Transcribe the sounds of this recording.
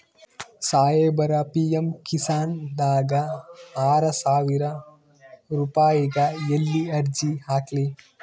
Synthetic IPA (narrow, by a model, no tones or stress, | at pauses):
saːjeːbɐɾɐpijɐmkisaːnd̪aːɡɐaːɾɐsaːʋiɾɐ | ɾupaːjiɡɐjelːiɐɾd͡ʒihaːkli